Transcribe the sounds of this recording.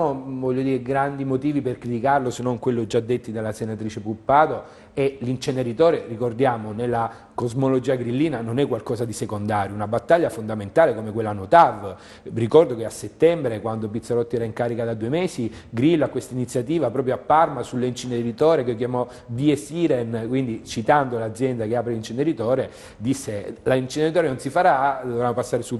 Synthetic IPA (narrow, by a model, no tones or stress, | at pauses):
novɔʎːod̪iːɾeɡɾand̪imot̪iːviperkɾit̪ikarlosenːoŋkwelːod͡ʒad̪ːet̪ːid̪alːasenat̪ɾiːt͡ʃepulpːaːd̪o | ɛlint͡ʃeneɾit̪ɔːɾerikord̪jaːmonelːa | kozmolod͡ʒiːaɡɾilːiːnanonɛkːwalkɔːsad̪isekond̪aːɾjounabat̪ːaʎːafond̪ament̪aːlekomekwelːanot̪av | rikɔrd̪okeasːet̪ːɛmbɾekwand̪opit̪sːaɾɔt̪ːiɛɾaiŋkaːɾikad̪ad̪uemɛːsiɡɾilːoakːwest̪ainit̪sːjat̪iːvapɾɔːp̬ɾjoapːarmasulːeint͡ʃineɾit̪ɔːɾekeokjamɔ | b̪iesiɾɛnkwind̪it͡ʃit̪and̪olad̪zjɛnd̪akeaːpɾelint͡ʃineɾit̪ɔːɾe | d̪isːelaint͡ʃineɾit̪ɔːɾenonsifaɾad̪ovɾamːopasːaːɾesu